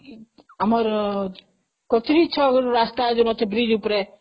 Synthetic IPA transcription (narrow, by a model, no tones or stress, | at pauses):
amɔɾ | kɔt̪ʰɾit͡ʃʰɔɡɾɾast̪ad͡ʒunɔt̪ʰebɾid͡ʒupɾe